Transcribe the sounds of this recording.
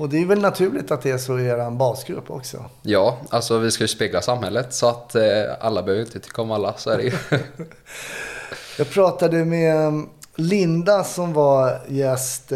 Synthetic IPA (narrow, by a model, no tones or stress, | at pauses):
ɔd̪ɛæjʏvɛlnat̪ʰʉ̟ːlɪt̪at̪̚d̪ɛæʂɔeːɾanbɑːsɡɾɵ̰pːɔ̰ksɔ̰jɑːalsɔvɪskajɵspeːɡlasamhɛlːət̪sɔat̪a̰lːabœhøːvɾɪnt̪ət̪ʰʏ̥kːaɔmalːasɔæɖɛ | jɑːɡ̚pʰɾɑːt̪ad̪əmɛ | lɪnd̪asɔmvajɛst̪